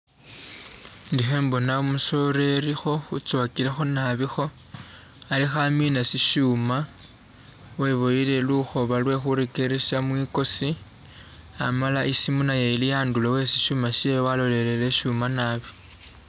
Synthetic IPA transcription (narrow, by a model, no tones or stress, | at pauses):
ndiɦe̞ːmbo̞naumuso̞ɾe̞ɾixo̞xut͡sokilexonaβixo̞ | alixaminasiʃuːma | we̞βojile̞luxo̞βalwe̞xuɾekeɾesamwiko̞si | a̰malaʔisimunajeilijaːndulowe̞siʃuːmaʃiewalo̞le̞le̞le̞ʃuːmanaβi̥